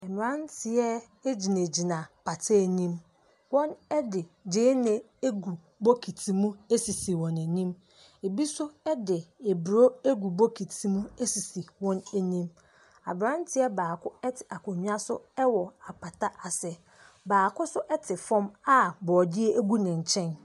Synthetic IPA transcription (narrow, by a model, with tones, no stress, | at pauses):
ɛ˨m˨ɾã˦n˦tʰɪ˨ɛ˦ | d͡ʑi˨ne˨d͡ʑi˨nã˨pʰa˨tʰe˦˨nĩ˦m | wɔ̃˦nɛ˦dɪ˨d͡ʑɪ̃˦nɪ̃˨ | e˦ɡu˨ | bo˦kʰi˨tʰi˨mũ˦e˦si˨si˨wɔ̃˨næ˨nĩ˦m | e˨bi˦sʊ˦ɛ˦dɪ˨e˨bɾo˦e˦ɡu˨bo˦kʰi˨tʰi˦mũ˦e˦si˨si˨wɔ̃˦ne˦nĩ˦m | a̰˨bɾã˦n˦tʰɪ˨˦ɛ˦baː˨kʰʊ˦ɛ˦tʰɪ̥˨a˨kʰo˨ɲũ˦a˦sʊ̰˦ɛ˦wɔ˨a˨pʰa˨ta˦ʔa˨sɛ˦ | baː˨kʊ˦sʊ˦ʔɛ˦tʰɪ˨fɔ̃˦ma˦bɔː˨dɪ˦e˦æ˦ɡu˦nɪ̃˨ɲ̩˨t͡ɕʰɛ̃˦n